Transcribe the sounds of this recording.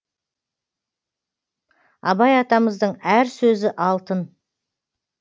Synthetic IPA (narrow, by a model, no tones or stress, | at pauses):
ɑ̰bɑjɑt̪ɑməzd̪əɴæɾsɵzɪʔɑlˠt̪ən